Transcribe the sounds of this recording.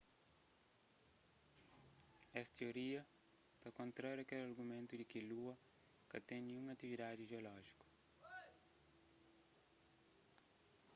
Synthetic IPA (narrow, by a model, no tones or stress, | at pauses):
ɛsɐ̥t̪eoɾiɐ | t̪akõnt̪ɾaɾjuɐkɛlɐɾɡumẽnt̪ud̪ikiluɐ | kɐt̪ẽj̃nĩɲũŋɐt̪ivid̪ad̪iʒeolɔʒiku̥